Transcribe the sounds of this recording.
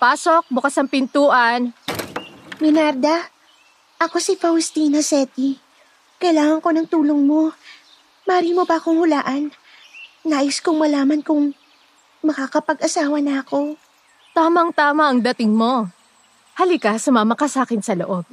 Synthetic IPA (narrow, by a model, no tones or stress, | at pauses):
paːsok̚bʊkasɐŋpɪnt̪uːʔɐn | mɪnaɾd̪ɐ | ʔɐko̞sɪfɐwst̪iːnɐsɛt̪i | kɐjlaːŋɐŋko̞nɐŋt̪uːloŋmo̞ | mɐɾiːmobɐɐkohʊlaːʔɐnː | aːjɪskʊŋmɐlaːmɐnkʊŋ | mɐkakɐpɐɡʔɐsaːwɐnɐɐko̞ | t̪aːmɐŋt̪aːmɐʔɐŋd̪ɐt̪ɪŋmo̞ | hɐlikɐsʊmaːmɐkɐsaːkɪnsɐloʔo̞b̚